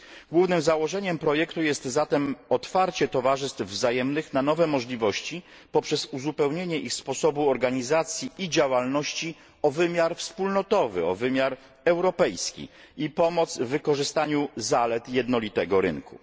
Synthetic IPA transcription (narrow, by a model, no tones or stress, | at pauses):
ɡwuvnɘmzawɔʐɛɲɛmpɾɔjɛkt̪ujɛst̪zat̪ɛmɔt̪faɾt͡ɕɛt̪ɔvaʐɘst̪fvzajɛmnɘxnanɔvɛmɔʐlʲivɔɕt͡ɕi | pɔpʂɛzuzupɛwɲeɲɛʔixspɔsɔbuɔɾɡaɲizat̪sʲjiid͡ʑawalnɔɕt͡ɕi | ɔvɘmʲjaɾfspulnɔt̪ɔvɘ̰ɔ̰vɘmʲjaɾ | ɛwɾɔpɛjskʲḭ | ipɔmɔt̪zvːɘkɔʐɘst̪aɲuzalɛt̪jɛd̪nɔlʲit̪ɛɡɔɾɘ̰nkṵ